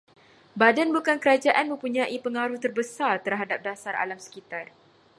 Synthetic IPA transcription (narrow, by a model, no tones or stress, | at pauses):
badanbukankəɾad͡ʒaʔanmə̃mpuɲãʔipəŋaɾuht̪ərbəsart̪ərɦadap̚dasara̰lamsə̥kit̪ar